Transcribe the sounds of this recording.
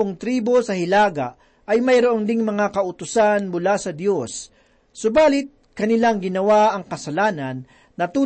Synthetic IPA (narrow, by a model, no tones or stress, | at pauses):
oŋt̪ɾiːbo̞sɐɦɪlaːɡa | ɐjmɐjɾoʔond̪ɪŋmɐŋakɐʔʊt̪ʊsanmʊlasɐd̪jo̞sː | ʊbaːlɪt̪̚kɐnɪlaŋɡɪnɐwaʔɐŋkɐsɐlaːnɐnː | ɐt̪uː